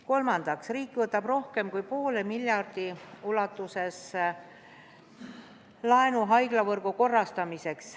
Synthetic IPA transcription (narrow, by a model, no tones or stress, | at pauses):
ko̞lmɑnd̪̥ɑksriːkːˑvɤt̪ːˑɑb̥ro̞hke̞mkujpo̞ːlemilʲjɑrd̪̥iulɑt̪ːˑuse̞s | lɑenuɦɑjɡ̥lɑvɤrɡ̥uko̞rːɑst̪ɑmise̞ks